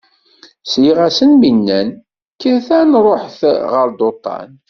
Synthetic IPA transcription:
sjiʁæsənminːæn | kːəɾθænɾˤoħθʁəɾd̪ot̪ˤːɑ̰n

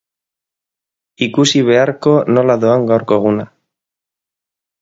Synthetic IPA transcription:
ikusiβ̞eaɾkonolaðoaŋɡawɾkoɣ̞una

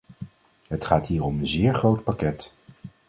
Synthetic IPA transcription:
ɦətχaːtɦiːɹɔmənzɪːɹχrowtpakɛt

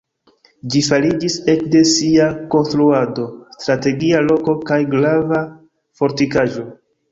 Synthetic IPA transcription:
d͡ʒifaɾid͡ʒise̞kde̞siako̞nstɾuado̞stɾate̞ɡialo̞ko̞kajɡlava | fo̞ɾtikaʒo̞

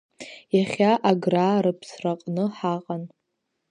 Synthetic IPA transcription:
jaχʲaʔaɡraːɾɨpʰsraqʼnɨħaqʼan

